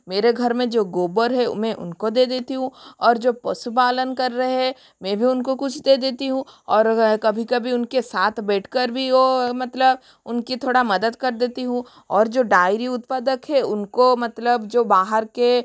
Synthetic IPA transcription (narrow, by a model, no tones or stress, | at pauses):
meːɾeɡʱɐɾmẽd͡ʒoːɡoːbəɾɦɛmɛ̃ʔʊ̰nkod̪eːd̪eːt̪iɦũɔːɾd͡ʒoːpɐsupaːlənkɐɾːɐɦɦɛ | mɛ̃bʱiʊnkokʊt͡ʃʰd̪eːd̪eːt̪iɦũɔːɾkɐbʱikɐbʱiʊnkesaːt̪ʰbɛːʈʰkəɾbʱiomɐt̪ləb | ʊnkit̪ʰoːɽamɐd̪əd̪kɐɾd̪eːt̪iɦũ | ɔːɾd͡ʒoːɖaːɪɾiʊt̪paːd̪əkɦɛʊnkomɐt̪ləbd͡ʒoːbaːɦəɾke